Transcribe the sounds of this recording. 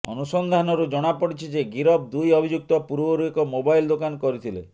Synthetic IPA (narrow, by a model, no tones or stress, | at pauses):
ɔ̰nusɔnd̪ʱanɔɾud͡ʒɔɽ̃apɔɽit͡ʃʰid͡ʒeɡiɾɔb̚d̪ujɔbʱid͡ʒuk̚t̪ɔpuɾbɔɾuekɔmobajld̪okankɔɾit̪ʰile